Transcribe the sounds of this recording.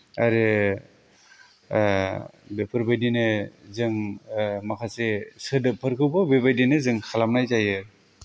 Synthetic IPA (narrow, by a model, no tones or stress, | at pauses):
a̰ɾe | bepʰɯɾbajdinɯzɯŋmakʰasesɯdɯpʰɯɾkʰɯwbɯbebajdinɯzɯŋkʰalamnajzajɯ